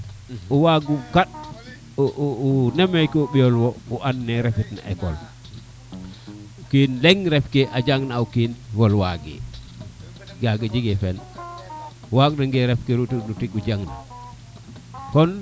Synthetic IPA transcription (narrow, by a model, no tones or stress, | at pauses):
uwaɡukaɗ̚ | uʔunemejkiuɓijolwɔuʔanːɛɾɛfitna̰ʔɛkɔl | ukinleŋɾɛfkeʔad͡ʒaŋnaukinwɔlwaɡḛ | ɡaɡed͡ʒiɡefɛn | uwaɡnaŋɡeɾɛfkeɾutinutikud͡ʒaŋna̰ | kɔn